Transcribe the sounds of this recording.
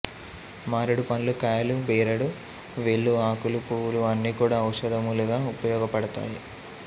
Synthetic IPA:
maːɾuɽupɐnlukaːjɐlubeːɾɐɽu | ʋeɭːuaːkulupuːwuluɐnːiːkuːɽaːɐwʂɐd̪ʱɐmuluɡaːupɐjɔːɡɐpɐɽut̪a̰ːji

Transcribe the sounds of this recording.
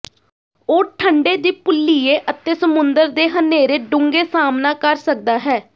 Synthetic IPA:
oːʈʰəɳɖeːd̪iːpʊlːiːeːʔət̪eːsəmʊnd̪əɾd̪eːɦəneːɾeːɖʊŋɡeːsaːmnaːkəɾsək̚d̪aːɦɛː

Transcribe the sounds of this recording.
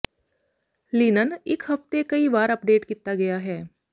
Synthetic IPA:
liːnənɪkɦɐft̪ekɐiʋaːɾɐp̚ɖeːʈkiːt̪aɡɐjaɦɛː

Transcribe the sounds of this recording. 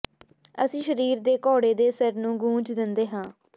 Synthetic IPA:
əsĩːʃəɾiːɾd̪eːkɔːɽeːd̪eːsəɾnũːɡũːd͡ʒd̪ɪnd̪eːɦãː

